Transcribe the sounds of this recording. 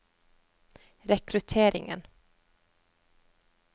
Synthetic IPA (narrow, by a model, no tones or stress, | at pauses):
ɾɛkɾɵt̪ʰeːɾɪ̰ŋə̰n